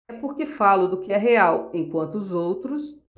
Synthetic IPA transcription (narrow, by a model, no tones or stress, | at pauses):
pʊɾkɪfalʊd̪ʊkɪɛɦeawẽkwɐ̃nt̪ʊʊzowt̪ɾʊs